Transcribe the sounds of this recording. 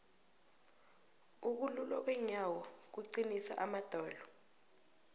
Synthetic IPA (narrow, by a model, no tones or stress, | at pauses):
uk̬ululɔk̬wɛɲawɔk̬wuǀinisa̰ʔamad̥ʱɔːlɔ